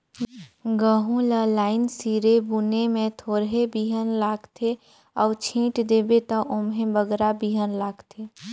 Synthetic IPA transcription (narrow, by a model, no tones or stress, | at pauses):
ɡəɦũləlaːɪnsiːɾebunemẽt̪ʰoːɾɦebiːɦənlaːɡt̪ʰe | ɔːt͡ʃʰĩːʈd̪eːbet̪əʔʊmɦẽbəɡɾabiːɦənlaːɡt̪ʰeː